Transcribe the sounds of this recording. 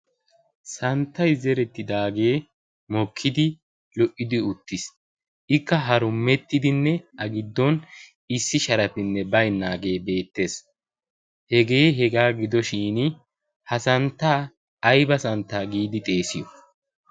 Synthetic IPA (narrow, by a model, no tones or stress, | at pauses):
sɐnt̪ːɐjzɛɾɛt̪ːɪd̪aːɡe̞ː | mɔkʰːɪd̪ɪ | lɔʔɪd̪ɪʊt̪ːɪs | ʔɪkːɐɦɐɾʊmːɛt̪ːɪd̪ɪnːɛʔɐɡɪd̪ːɔn | ɪsːɪʃɐɾɐpɪnːɛbɐjnːaːɡe̞ːbe̞ːt̪ːe̞ːs | hɛɡe̞ːɦɛɡaːɡɪd̪ɔʃiːn | hɐsɐnt̪ːaː | jbɐsɐnt̪ːaːɡiːd̪ɪt̪ʼe̞ːsɪjɔ